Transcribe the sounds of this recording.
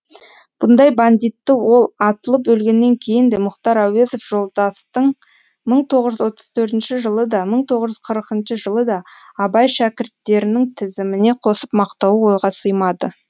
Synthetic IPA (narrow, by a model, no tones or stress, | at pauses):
b̥ʊnd̪ɑjband̪ijt̪ːɪwo̞lˠɑt̪əlˠəp̚bɵlɡʲe̞nːe̞ŋkʲʰe̞jɪnd̪e̞mʊχt̪ɑɾæwe̞zofʒ̥o̞lˠd̪ɑst̪əɴ | məɴt̪ʰoʁəzʒʏzwo̞t̪əz̥t̪ʰɵɾt̪ɪnʃɪʒəlˠəd̪ɑməɴt̪ʰo̞ʁəzʒʏz̥qʰəɾəqənʃəʒəlˠəd̪ɑːbɑjʃækʲɪɾt̪ːe̞ɾɪnɪŋt̪ʰɪzɪmɪne̞qʰo̞səpmɑqt̪ɑwəwo̞jʁɑsəjmɑd̪ə